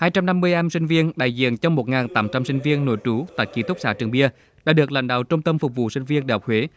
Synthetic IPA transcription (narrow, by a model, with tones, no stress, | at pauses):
haː˧jt͡ɕa˧mna˧mːɨ˧əjʔa˧msï˧ŋ̟vi˧ənɗa̰ː˧˨jzḭ˧˨ənt͡ɕɔ˧wŋ͡mmo˨˩t̚ŋaː˨˩nt̪aː˨˦mt͡ɕa˧msï˧ŋ̟vi˧ənːo˧˩˦jt͡ɕu˨˦t̪a̰ː˧˨˩jki˨˦˥t̪ʊ˦˥k͡p̚saː˧˥t͡ɕɨ˨˩əŋɓi˧ə | ɗa̰ː˧˥ɗɨ˨˩ək̚la̰˧˨ŋ̟ɗa̰ː˧˨wt͡ɕʊ˧ŋ͡mt̪ə˧mfʊ˨˩k͡p̚vṵ˧˨si˧ŋ̟vi˧ənɗe˧˩hɔ˨˩k͡p̚hwe˨˦